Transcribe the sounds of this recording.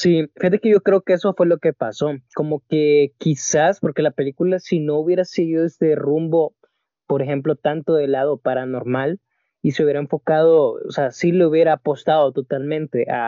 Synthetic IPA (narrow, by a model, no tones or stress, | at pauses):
sifixat̪e̞keʝo̞kɾe̞okeeso̞fwe̞lo̞ke̞paso̞ko̞mo̞ke̞kisaspo̞ɾke̞lape̞likulasino̞uβje̞ɾaseɣiðo̞est̪e̞rumbo̞ | po̞ɾexe̞mplo̞t̪ant̪o̞ðe̞lað̞o̞paɾano̞ɾmal | iseuβjeɾaeɱfo̞kað̞o̞o̰seasileuβje̞ɾaːpo̞st̪að̞o̞t̪o̞t̪almẽ̞nt̪e̞ʔa̰